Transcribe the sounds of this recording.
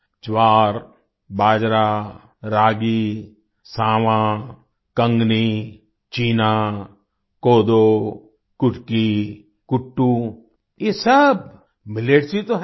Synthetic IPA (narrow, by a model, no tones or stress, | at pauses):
t͡ʃwaːɾ | baːd͡ʒɾaː | ɾaːɡi | sãːʋã | kə̃ŋɡni | t͡ʃiːnaː | koːd̪oː | kʊʈki | kʊʈːuː | jesɐb | mɪleːʈsit̪oɦ